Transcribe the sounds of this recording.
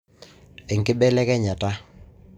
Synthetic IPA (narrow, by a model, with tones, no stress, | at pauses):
ɛ˨ŋkɪ˦bɛ˦lɛ˦kɛ˦ɲa˨ta˦